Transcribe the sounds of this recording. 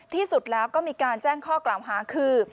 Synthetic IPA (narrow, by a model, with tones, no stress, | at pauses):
t̪ʰiː˥˩su˨˩t̪̚lɛː˦˥wkɔː˥˩miː˧kaː˧nt͡ɕɛː˥˩ŋkʰɔː˥˩klaː˨˩˦wɦaː˩˦kʰɯː˧